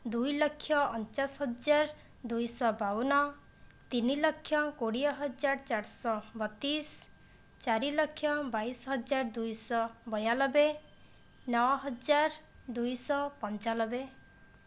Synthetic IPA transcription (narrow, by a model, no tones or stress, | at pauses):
d̪ujlɔkʰːjɔɔnt͡ʃasɦɔd͡ʒaɾ | d̪ujsɔbawnɔ | t̪inilɔkʰːjɔkoɽijɔɦɔd͡ʒaɾt͡ʃaɾsɔbɔt̪is | t͡ʃaɾilɔkʰːjɔbajsɦɔd͡ʒaɾd̪ujsɔbɔjalɔbe | nɔɔɦɔd͡ʒaɾd̪ujsɔpɔnt͡ʃalɔbe